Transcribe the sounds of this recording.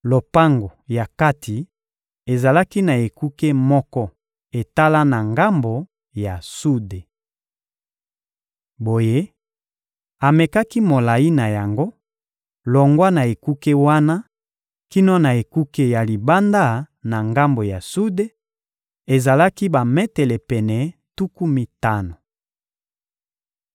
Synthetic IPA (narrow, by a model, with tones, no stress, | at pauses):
lo˨pa˦ŋɡo˨ja˨ka˦tʰi˨ | e˨za˨la˦ki˦na˨e˨ku˦ke˦mɔ˦kɔ˦ | e˨ta˦la˦na˨ŋɡa˦mbo˨ | ja˨su˦de˨ | bo˨je˦ | a˨me˨ka˦ki˦mo˨la˨i˦na˨ja˨ŋɡo˦ | lɔ˨ŋɡwa˦na˨e˨ku˦ke˦wa˦na˦ | ki˦nɔ˦na˨e˨ku˦ke˦ja˨li˨ba˦nda˦na˨ŋɡa˦mbo˨ja˨su˦de˦ | e˨za˨la˦ki˦ba˨mɛ˦tɛ˨lɛ˨pɛ˨nɛ˨tu˦ku˦mi˦ta˦no˨